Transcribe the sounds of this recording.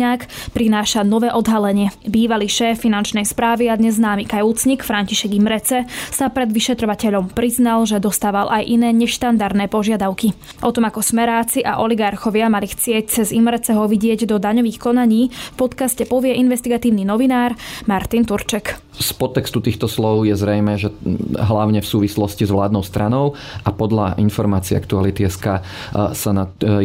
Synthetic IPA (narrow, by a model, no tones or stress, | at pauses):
ɲaːkpɾinaːʃanɔʋɛːʔɔd̪ɦalɛɲɪɛbiːʋaliːʃɛːfːinant͡ʃnɛjspɾaːʋiad̪ɲɛzːnaːmiːkajut͡sɲikfɾaɲciʃɛɡimɾɛt͡sɛsapɾɛd̪ʋiʃɛt̪ɾɔʋacɛʎɔmpɾiznalʒɛd̪ɔst̪aːʋalʔajʔinɛːɲɛʃt̪and̪aɾd̪nɛːpɔʒɪad̪aʊki | ʔɔt̪ɔmakɔsmɛɾaːt͡siʔa̰ʔɔliɡaɾxɔʋɪamalixt͡sɪɛc̚t͡sɛzimɾɛt͡sɛɦɔʋiɟɪɛɟd̪ɔd̪aɲɔʋiːxkɔnaɲiːfpɔt̪kascɛpɔʋɪɛʔinʋɛst̪iɡat̪iːʊninɔʋinaːɾmaɾt̪int̪uɾt͡ʃɛk | spɔt̪ːɛkst̪ut̪iːxt̪ɔslɔʊjɛzɾɛjmɛːʒɛɦlaʊɲɛfsuːʋislɔscizʋlaːd̪nɔʊst̪ɾanɔʊ | ʔapɔd̪ʎa̰ʔinfɔɾmaːt͡siɛ̰a̰kt̪ualit̪iɛskaː | sana